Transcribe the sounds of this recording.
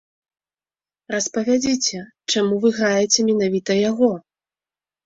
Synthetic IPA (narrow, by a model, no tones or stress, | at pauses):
rɐspɐvʲad͡zʲit͡sʲɛ | t͡ʂamuvɨɣɾajɛt͡sʲɛmʲɛnavʲit̪ɐjaɣɔ